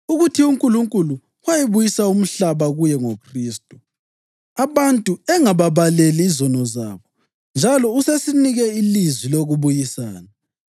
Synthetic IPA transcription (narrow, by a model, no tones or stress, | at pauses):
uɣutʰiuŋkʼuluŋkʼulu | wajiβujisaum̩ɬaβaɣujɛŋokʰriːstʼu | aβantʼuɛŋaβaβaleliːzɔnɔza̰βɔ | nd͡ʒʱalɔusesiniɣɛilizwiloɣuβujisaːna